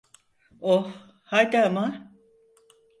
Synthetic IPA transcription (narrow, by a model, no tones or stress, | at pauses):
oh | hajd̪ama